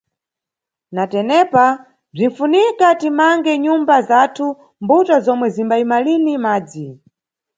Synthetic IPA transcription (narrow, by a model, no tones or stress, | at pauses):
natɛnɛpa | b͡ʐin̩funikatimaŋɡɛɲumbazatʰu | mbutazɔmwɛzimbaimalinimaːd͡zi